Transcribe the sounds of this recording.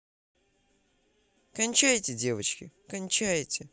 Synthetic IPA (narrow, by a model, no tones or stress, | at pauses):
kɐnʲt͡ɕajtʲɪdʲe̞vət͡ɕkʲɪkɐnʲt͡ɕajtʲɪ